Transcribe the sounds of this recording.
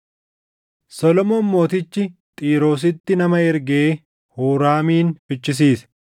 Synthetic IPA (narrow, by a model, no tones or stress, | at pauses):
sɔlɔmoːnmo̞ːt̪ɪt͡ʃːɪt̪ʼiːɾo̞ːs̬ɪt̪ːɪnɐmɐɛɾɡeː | huːɾaːmiːnfɪt͡ʃːɪs̬iːsɛ̥